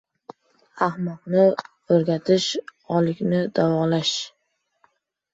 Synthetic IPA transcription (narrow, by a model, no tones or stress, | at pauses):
ahmɒqnɪ | ɵɾɡʲat̪ʰɪʃɒlɪkʲnɪd̪avɒlaʃ